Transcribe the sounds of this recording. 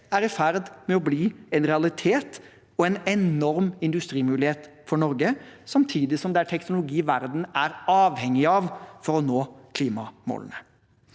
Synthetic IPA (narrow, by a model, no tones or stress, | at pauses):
æɾɪfæɾd̪mɛɔbliːɛnɾɛɑlɪt̪ʰeːt̪ | ɔɛnɛnnɔɾmɪnd̪ʉst̪ɾiːmʉːlɪheːt̪fɔɳɔɾɡəsɑmt̪ʰiːd̪ɪsɔmd̪æːʈʰɛknʊlʊɡiːʋæɾd̪n̩æɾɑːʋhɛŋːɪɑʋfɔɾɔnoːkʰliːmɑmo̰ːln̩ə